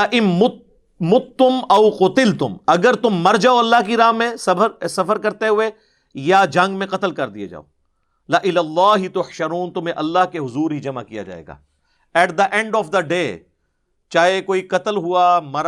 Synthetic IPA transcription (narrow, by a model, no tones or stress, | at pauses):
ʔɪnʊ | mʊt̪ːʊmɐʊqʊt̪ɪlt̪ʊmɐɡəɾt̪ʊmːɐɾd͡ʒaːoɐlːaɦkiɾaːmẽsɐəɾsɐfəɾkɐɾt̪eɦʊe | jad͡ʒɐ̃ŋɡmẽqɐt̪əlkɐɾd̪ijḛd͡ʒa̰ːo̰ | laʔɪlaːlːaːɦɪt̪ʊhʃɐɾuːnt̪ʊmẽʔɐlːaɦkeɦʊzuːɾɦid͡ʒɐma̰kija̰d͡ʒa̰ːḛːɡa̰ː | ɛːʈ̚d̪əʔɛ̃ɳɖɔːfd̪ɐɖeː | t͡ʃaːɦekoːiqɐt̪əlɦʊamɐɾ